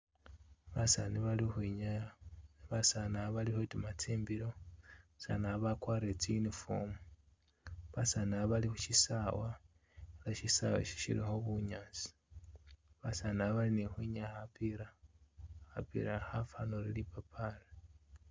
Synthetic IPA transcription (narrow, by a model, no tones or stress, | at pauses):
βasaniβalixiɲajaβasanaβalihotumat͡siːmbiɾoβasa̰naβakwaːɾet͡sijunifo̰mu | βasanaβalixuʃisawa | elaʃisa̰wḛʃi̥ʃḭɾḭxoβuɲat͡si̥ | βasanaβalinixwiɲahapiɾa | hapḭɾahafanoɾilipapʰala